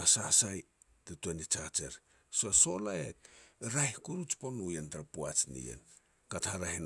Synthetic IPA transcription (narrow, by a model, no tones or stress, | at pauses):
asasaj | tetuenit͡ʃat͡ʃeɾ | soaso̞laek̚ɾajhkuɾut͡ʃponujentaɾapuat͡ʃnḭjḛn | kathaɾaɦin